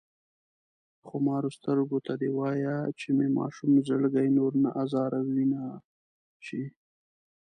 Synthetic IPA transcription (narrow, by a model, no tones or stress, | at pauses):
xomɑɾost̪əɾɡot̪ad̪ewɑjat͡ʃememɑ̰ʃumzəɽɡajnoɾnaʔazɑɾawina | t͡ʃi